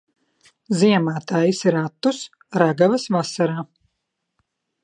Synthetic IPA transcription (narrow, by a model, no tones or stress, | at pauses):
ziɛmaːt̪aːjisiɾat̪ːus | ɾaɡavɐsvasaɾaː